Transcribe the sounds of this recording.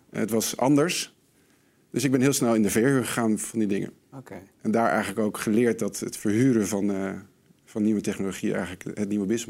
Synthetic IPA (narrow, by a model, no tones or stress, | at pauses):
ətʋɑsɑ̰ndəɹs | d̥ɵsɪɡ̚bɛnɦɪːlˠsnɛlˠɪndəvɛɹkəχəχaːnv̥ɑndidɪŋə̰ | ʔɛndaːɹɛ̰jχələkowkχəlɪːɹt̚dɑtətfəɹɦyːɾəvɑn | v̥ɑnːiʋətɛχnoloχḭʔɛ̰jχələkɦət̚niʋəbɪs